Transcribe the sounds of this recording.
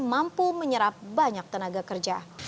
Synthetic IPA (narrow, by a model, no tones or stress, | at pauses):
mampuməɲəɾap̚baɲak̚t̪ənaɡakərd͡ʒa